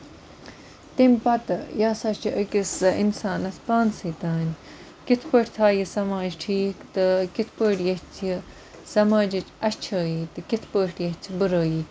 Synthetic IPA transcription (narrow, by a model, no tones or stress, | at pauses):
t̪impɐt̪ɨjaːsɐt͡ʃʰiʔəkisɐinsaːnɐspaːnsiːt̪aːnʲ | kit̪ʰpəʈʰʲt̪ʰaːjisɐmaːd͡ʒʈʰiːkt̪ɨkit̪ʰpəʈjɐt͡sʰji | sɐmaːd͡ʒit͡ʃɐʃt͡ʃʰəːjit̪ɨkit̪ʰpəːʈjɐt͡sʰibɨɾoːjiː